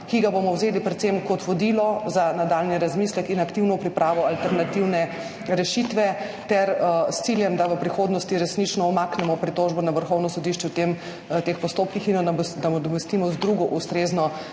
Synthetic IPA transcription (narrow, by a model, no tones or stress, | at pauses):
kiɡabomɔwzeːlipɾɛt̪semkɔt̪ʋɔd̪ilɔzanad̪aːlniɾazmislɛkinakt̪iwnɔpɾipɾʔaːʋɔalt̪ɛɾnat̪iwnɛ | ɾɛʃit̪ʋɛ | t̪ɛɾst̪siljɛmd̪aʋəpɾixoːd̪nɔst̪iɾɛsnit͡ʃnɔːmaːknɛmɔpɾit̪oʒbɔnaʋəɾxɔwnɔsɔd̪iʃt͡ʃɛwt̪em | t̪expɔst̪opkixind̪aɔd̪ɔmɛst̪imɔzd̪ɾuɡɔʔust̪ɾeːznɔ